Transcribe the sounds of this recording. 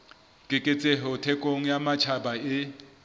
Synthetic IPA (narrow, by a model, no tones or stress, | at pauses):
kʼɪkʼɪt͡sʼeɦɛʊtʰɛkʼoŋ̩jamat͡ʃʰabaɪ